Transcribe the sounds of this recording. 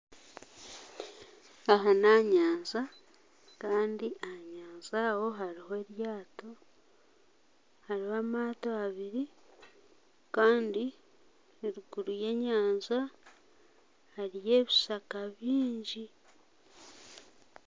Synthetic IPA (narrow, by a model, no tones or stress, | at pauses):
aɦanaɲaːnza | kaːndiʔahaɲaːnzawo̞ɦaɾihoe̞ɾjaːto̞ | haɾihaːmaːtoaβiɾi | kaːndi | eɾuɡuɾuje̞ɲaːnza | haɾije̞ːβisakaβiːɲɟi